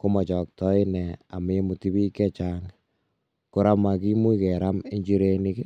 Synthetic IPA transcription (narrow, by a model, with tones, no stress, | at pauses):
ko˦mɔ˨t͡ʃɔ˨k̚tɔ˦inɛ˨a̰˨m˨e˦mu˨ti˦βi˦kɛ˦t͡ʃaːŋ | ko˦ɾa˦ma˨k̬i˦mu˦kɛ˨ɾame˦ɲd͡ʒi˦ɾe˦ni˦kɛ˦